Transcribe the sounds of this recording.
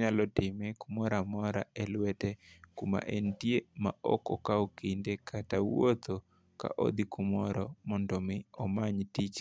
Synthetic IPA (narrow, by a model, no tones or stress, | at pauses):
ɲalɔtɪmekumɔɾamɔɾaɛlwɛtekuma̰ʔentjema̰ɔ̰kɔkaokindekʰatawwot̪o | ka̰ʔo̰d̪ikumɔɾɔmɔndɔmɪɔmaɲtit͡ʃ